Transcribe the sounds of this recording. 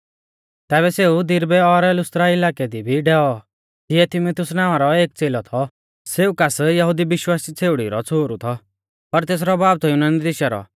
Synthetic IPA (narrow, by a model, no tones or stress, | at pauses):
t̪ɛːβɛseːud̪ɪɾbɛɔɾlʊst̪ɾaɪlaːked̪ibʱiɖɛːɔ | d͡ʒɪɛt̪ʰɪmʊt̪ʰʊsnãːaɾɔeːk̚t͡seːlɔt̪ʰɔ | seːukasjɐɦud̪ibɪʃwaːsit͡sʰeːʊɽḭɾɔt͡sʰoːɾut̪ʰɔ | pɐɾt̪eːs̬ɾɔbaːb̚t̪ʰɔjʊnaːnid̪ɪʃaɾɔ̰